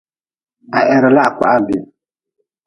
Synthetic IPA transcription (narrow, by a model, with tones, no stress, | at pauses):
a˨ʔɛ˨ɾə˨la˦a˨kʷa̰˨ʔa˦bi˨